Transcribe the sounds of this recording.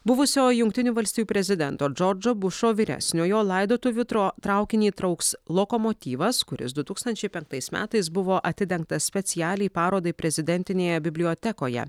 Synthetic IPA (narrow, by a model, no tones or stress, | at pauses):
bʊʋʊsʲoːjʊŋk̚t̪ʲɪnʲuːʋɐlʲsʲt̪ʲijuːpʲɾʲɛzʲɪd̪ʲɛnt̪oːd͡ʒɔɾd͡ʒoːbʊʃoːʋʲiːɾʲɛ̰sʲnʲoːjoːlˠɐɪd̪oːt̪ʊʋʲʊt̪ɾoːt̪ɾɑʊkʲɪnʲiːt̪ɾɐʊkslˠokɔmoːt̪ʲiːʋɐskʊɾʲɪ̰sd̪ʊt̪uːkst̪ɐnʲt͡ʃʲɛɪpʲɛŋk̚t̪ɐɪsmʲæ̰ːt̪ɐɪsbʊʋoːʔɐt̪ʲɪd̪ʲɛŋk̚t̪ɐsʲpʲɛt̪sʲɪjæːlʲɛɪpɑːɾoːd̪ɐɪpʲɾʲɛzʲɪd̪ʲɛnʲt̪ʲɪnʲeːjɛbʲɪbʲlʲɪoːt̪ʲɛkoːjɛ̰